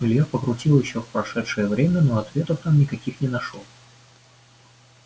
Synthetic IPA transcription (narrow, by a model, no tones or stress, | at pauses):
ʊlʲjapəkɾʊtʲilˠjɪɕːofpɾɐʂɛt̪ʂɨjəvɾʲemʲənoɐt̪vʲe̞t̪əft̪amnʲɪkɐkʲixnʲɪnɐʂo